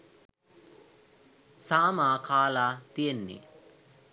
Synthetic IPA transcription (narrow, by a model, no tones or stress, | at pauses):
saːmaːkʰaːlaːt̪ijenːḭ